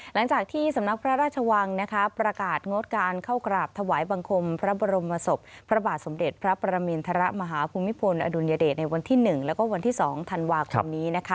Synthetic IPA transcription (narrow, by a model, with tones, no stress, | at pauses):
la˩˦ŋt͡ɕaː˨˩k̚t̪ʰiː˥˩sa˩˦mna˦˥k̚pʰɾa˦˥ɾaː˥˩t̪̚t͡ɕʰa˧wa˧ŋna˦˥kʰa˦˥pɾa˧kaː˨˩t̪̚ŋo˦˥t̪̚kaː˧nkʰa˥˩wkɾaː˨˩p̚t̪ʰa˧waː˩˦jba˧ŋkʰo˧mpʰɾa˦˥bɔː˧ɾo˧mːa˧so˨˩p̚pʰɾa˧baː˨˩t̪̚so˩˦mde˨˩t̪̚pʰɾa˦˥pa˧ɾa˧miː˧nt̪ʰa˧ɾa˦˥ʔma˧ɦaː˩˦pʰuː˧mːi˦˥pʰo˧nʔa̰˧du˧njaː˧deː˨˩t̪̚na˧jwa˧nt̪ʰiː˥˩nɯ˨˩ŋlɛː˦˥wkɔː˥˩wa˧nt̪ʰiː˥˩sɔː˩˦ŋt̪ʰa˧nwaː˧kʰo˧mniː˦˥na˦˥kʰa˦˥